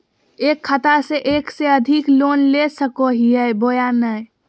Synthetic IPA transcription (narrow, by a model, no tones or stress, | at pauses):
ekʰːət̪aseʔekseəd̪ʱiklonlesəkoɦiɛbojanəj